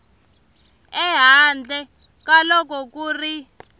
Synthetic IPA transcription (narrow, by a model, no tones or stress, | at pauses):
ɛɦand͡ɮʱɛ | kalɔk̬ɔk̬uːri